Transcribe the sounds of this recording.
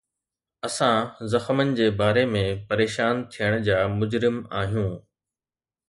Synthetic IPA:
ɐsãzɐxmənɪ̆d͡ʑeːbaːɾemẽpɐɾeːʃaːnt̪ʰijəɽ̃ʊ̆d͡ʑaːmʊd͡ʑɾɪmaːɦijũː

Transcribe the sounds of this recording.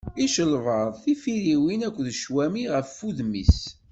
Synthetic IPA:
iʃəlvəɾˤθifiɾiwinækʷːðʃwæmiʁəfːuðmis

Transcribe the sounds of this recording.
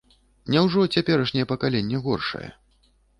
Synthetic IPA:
nʲɛwʐɔt͡sʲapʲɛɾɐʂnʲɛjɛpɐkalʲenʲːɛɣɔrʂɐ̰jɛ̰

